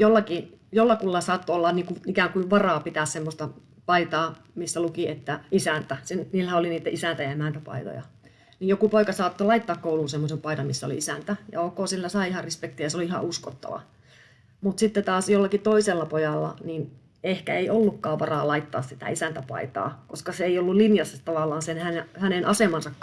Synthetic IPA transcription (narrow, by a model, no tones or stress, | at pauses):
jolːɑki | jolːɑkulːɑsɑːt̪ːoolːɑnniːŋkuikæːŋkuiʋʋɑrɑːpit̪æssemːost̪ɑ | pɑit̪ɑː | misːælukiet̪ːæisænt̪æsinniːlːæhæoliniːt̪ːæʔisænt̪æjɑemænt̪æpɑ̰it̪o̰jɑ̰ | niːjjokupoikɑsɑːt̪ːolɑit̪ːɑːkkouluːsemːosempɑidɑmisːæo̰lḭisænt̪æjɑ̰okoːsilːæsɑiihɑrrispekt̪ijɑseoliihɑ̰usko̰t̪ːɑ̰ʋɑ̰ | mut̪sit̪ːet̪ɑːsjolːɑkit̪oiselːɑpojɑlːɑ̰nin | ehkæeiolːukːɑːʋʋɑrɑːlɑit̪ːɑ̰ːssit̪æ̰isænt̪æpɑ̰it̪ɑ̰ːkoskɑseeiolːulinjɑsːɑt̪ɑʋɑlːˑɑːnsenhænehænenʔɑsemɑnsɑkː